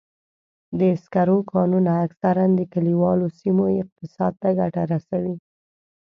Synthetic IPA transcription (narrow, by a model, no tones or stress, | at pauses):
d̪əɪskaɾokʰɑnunaːksaɾand̪əkaliwɑlosimoɪq̚t̪ɪsɑd̪̚t̪aɡaʈaɾasawi